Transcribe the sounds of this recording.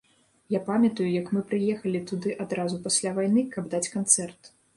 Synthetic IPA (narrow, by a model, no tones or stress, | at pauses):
japamʲɐt̪ujujɐkmɨpɾɨjɛxɐlʲit̪ud̪ɨʔad̪ɾazupasʲlʲavajn̪ɨkɐbd̪at͡sʲkant̪sɛrt̪